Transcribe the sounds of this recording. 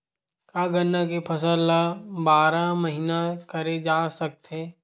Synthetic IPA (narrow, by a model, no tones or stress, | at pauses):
kaːɡɐnːak̬epʰɐsəlːabaːɾamɐɦinakɐɾed͡ʒaːsɐk̚t̪ɦɛ̃ː